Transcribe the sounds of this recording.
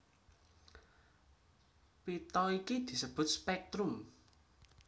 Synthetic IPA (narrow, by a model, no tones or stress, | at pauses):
pit̪ɔikid̪̥i̤səb̥ʊ̤t̪̚spɛk̚t̪ɾʊm